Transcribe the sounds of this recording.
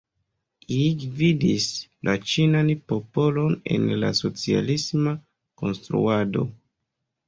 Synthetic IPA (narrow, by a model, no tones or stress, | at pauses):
iɡvidislʔat͡ʃinanpo̞po̞lo̞ne̞̰nla̰so̞t͡sia̰lisma | ko̞nstɾṵado̞̰